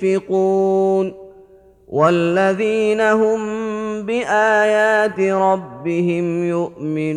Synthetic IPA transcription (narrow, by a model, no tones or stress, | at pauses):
ɪquːn | wʔalːaðiːnaɦʊmbɪʔaːjaːt̪ɪɾˤɑbːɪhɪmjʊʔmɪn